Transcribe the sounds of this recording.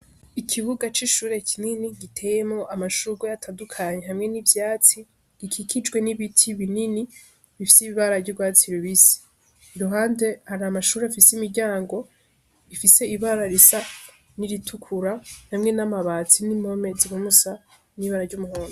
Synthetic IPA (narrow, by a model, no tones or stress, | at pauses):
ikʰiβuɡat͡ʃiʃuːɾe̞kʰininiɡitʰe̞ːjemŋo̞ʔamaʃuɡwajatʰaːndukʰaɲe̞hamŋe̞nivjaːt͡si | ikʰikʰid͡ʒɡwe̞niβitʰiβinini | βifisiβiβaɾavɟuɡwaːt͡siɾoβisi̥ | iɾuɦaːnde̞haɾamaʃuːɾeafisimiɾɟaːŋɡo̞ | ifise̞iβaɾaɾisa | niɾitʰukʰuɾahamŋe̞namaβaːt͡sinimho̞me̞ziwumusa | niβaɾaɾɟumuhoːno